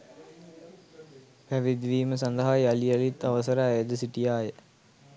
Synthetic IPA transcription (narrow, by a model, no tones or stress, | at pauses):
pɐʋid̪ʋiːməsɐnd̪ɐɦaːjɐlijɐlit̪ːɐʋɐsɐɾaːjɐd̪ɐsiʈijaːjə